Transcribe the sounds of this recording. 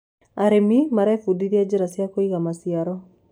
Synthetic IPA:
aɾemimaɾɛfudiɾiad͡ʑeɾasjakoiɣamasiaɾɔ

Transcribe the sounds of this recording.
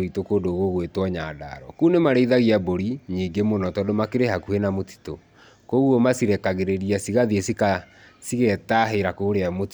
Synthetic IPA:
itokoːdoːɣoɣwetwɔɲaːda̰ːɾɔkuːnemaɾeiðaɣiaboɾiɲiːŋɡemonɔtɔdomakeɾeɦakuhenamoti̥to | koɣuɔmasiɾɛkaɣeɾeɾiasiɣaðiesika | siɣɛtaɦeɾakoːɾeamoti

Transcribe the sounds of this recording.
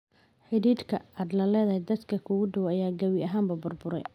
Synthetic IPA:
ħɪðiːd̪kʰɐaːd̪lɐlɛːðɐɦɛd̪ɐd̪kʰɐkʰuːɣʊɖɔwɐjaːɡɐwɪʔɐɦaːmbɐbʊrbʊɾɛ̰j

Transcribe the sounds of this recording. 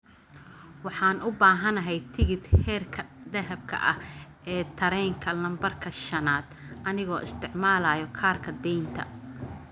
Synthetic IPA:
wɑħɑːnʔʊbaːɦɐnɐɦɛjt̪ʰɪɣɪd̪hɛːrkʰɐd̪ɛɦɐb̚kʰɐ̰ʔɐh | ɛːt̪ʰɐɾɛjŋkʰɐlɐmbɐrkʰɐʃɐnaːd̪ʔɐnɪɣɔːʔɪst̪ʰɪʕmaːlajɔkʰaːrkʰɐd̪ɛjnt̪ʰɐ̰

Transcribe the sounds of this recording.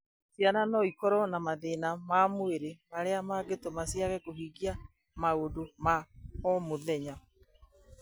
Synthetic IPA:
sjananɔikɔɾɔnamaðenamamoeɾemaɾeamaɡetomasiaɣɛkoɦiɡia | maodomaɔmoðɛɲa

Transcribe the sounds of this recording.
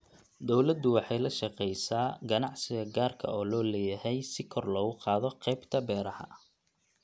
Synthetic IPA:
d̪ɔwlɐd̪ʊwɑħɑjlɐʃɑqɛjsaːɡɐnɑʕsɪɣɐɡaːrkʰɐ̰ɔːlɔːlɛːjɐhɛjsɪkʰɔrlɔːɣʊqɑːðɔqɛjbt̪ʰɐbɛːɾɐhɐ̰

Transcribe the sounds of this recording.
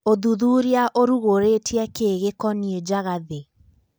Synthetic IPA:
oðuðuɾiaʔoɾuɣoɾetiakeɣekɔnied͡ʒaɣaðe

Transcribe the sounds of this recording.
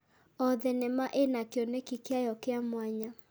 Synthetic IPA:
ɔðenemaʔenakjɔnekikjajɔkeamwaɲa

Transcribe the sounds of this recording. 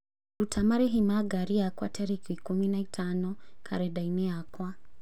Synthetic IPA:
dutʰamaɾiɦimaɡaɾiakwa̰tɛɾikikuminaitʰanɔkʰa̰ɾɛɗainɛakwa

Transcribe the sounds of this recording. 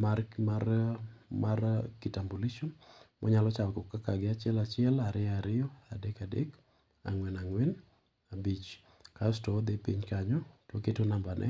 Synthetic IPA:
markmarmarkitamboliʃɔnmʔɔ̰ɲalɔt͡ʃawkokːakaɡɪat͡ʃɪɛlat͡ʃɪɛlaɾɪaɾɪjɔadekadḛk | a̰ŋwɛnaŋwɛn | abit͡ʃ | kastɔd̪epiɲkaɲɔtwoketonambanʔɛ̰

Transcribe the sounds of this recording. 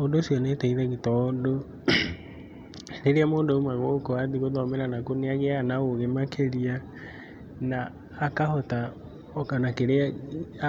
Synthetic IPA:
odosiɔnetɛiðɛɣitɔdo | neɾeamoːdoomwaɣokoaðiɣoðɔmeɾanakoneaɣeanaɣoɣemakeɾia | naː | kahɔta | kanakeɾea

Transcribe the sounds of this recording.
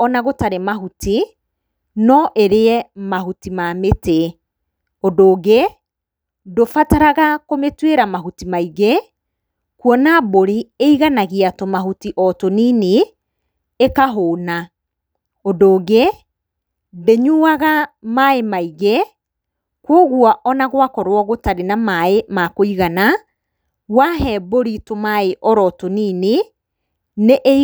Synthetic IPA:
ɔnaɣotaɾemaɦuti | nɔʔeɾeɛmaɦutimamete | odoːɣe | dofataɾaɣakometweɾamaɦutimaiɣe | kwɔnaboɾieiɣanaɣiatɔmaɦutiʔɔtonine | ekaɦoːna | odoːɣe | beɲuaɣamaemaiɣe | kwɔɣwɔʔɔnaɣwakɔɾwɔɣotaɾenamaemakoiɣana | waɦɛboɾitomaeʔɔɾɔtoniːne | neʔe

